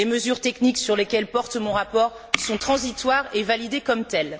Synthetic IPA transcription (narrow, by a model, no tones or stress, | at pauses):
leməzyʁt̪ɛkniksyʁlekʲɛlpɔʁt̪mɔ̃ʁapɔʁ | sɔ̃t̪χɑ̃zit̪waʁevalid̪ekɔmt̪ɛl